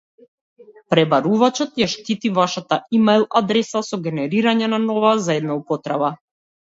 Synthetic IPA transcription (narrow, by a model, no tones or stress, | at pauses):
pɾɛbaɾuvat͡ʃɔt̪jaʃt̪it̪ivaʃat̪aʔimajlˠad̪ɾɛsasɔɡʲɛnɛɾiɾaɲɛnanɔvazaɛd̪naupɔt̪ɾaba